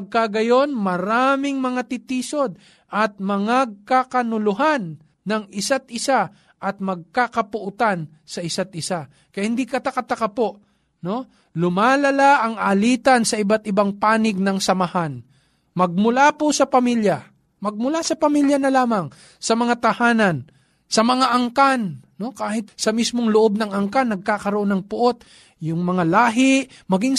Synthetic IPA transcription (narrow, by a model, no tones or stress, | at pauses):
ɐɡ̚kaɡɐjo̞nmɐɾaːmɪŋmɐŋat̪ɪt̪iːso̞d̪̚ | ʔɐt̪̚mɐŋaɡ̚kakɐnʊlʊɦanː | ɐŋɪsat̪̚ʔɪsa | ʔɐt̪̚mɐɡ̚kakɐpʊʔʊt̪an | sɐʔɪsat̪̚ʔɪsa | kɐjahɪnd̪ikɐt̪akɐt̪akɐpoʔ | no̞ | lʊmaːlɐlaʔɐŋʔaliːt̪ɐnsɐɪbat̪ɪbaŋpaːnɪɡ̚nɐŋsɐmɐhan | mɐɡ̚mʊlapʊsɐpɐmiljɐ | mɐɡ̚mʊlasɐpɐmiljɐnɐlaːmɐŋ | sɐmɐŋat̪ɐhaːnɐn | sɐmɐŋaʔɐŋkanno̞kaːhɪt̪̚sɐmismoŋlʊʔo̞b̚nɐŋʔɐŋkanːɐɡ̚kaːkɐɾoʔonɐŋpʊʔo̞t̪̚ | jʊŋmɐŋalaːɦɪʔ | mɐɡiŋ